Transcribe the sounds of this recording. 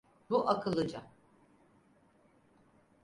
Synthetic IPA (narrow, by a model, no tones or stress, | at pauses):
buʔakʰɯlˠɯd͡ʒa